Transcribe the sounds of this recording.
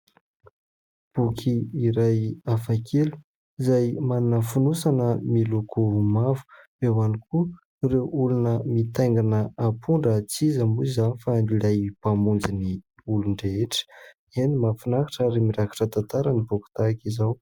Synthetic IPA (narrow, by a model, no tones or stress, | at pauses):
b̥ukʰiːɾajafakʰelu̥ | izajmannəfunusanəmilukʰuumavu̥ | ewaniku | rewulunəmit̪ajŋɡanəapʰuɳɖ͡ʐət͡sizəmuizanifanilajpamund͡zini | uluɳɖ͡ʐeeʈ͡ʂə̥ | enimafinakḁʈ͡ʂəɾemiɾaki̥ʈ͡ʂət̪ant̪aɾənibuku̥t̪akizaw